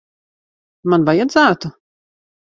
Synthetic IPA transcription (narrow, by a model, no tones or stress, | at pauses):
manvajad̪zæːt̪u